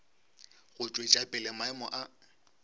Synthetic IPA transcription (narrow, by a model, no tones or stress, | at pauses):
ɣʊt͡ʃʼwet͡ʃʼapʼɪlɛmaɪmɔʔa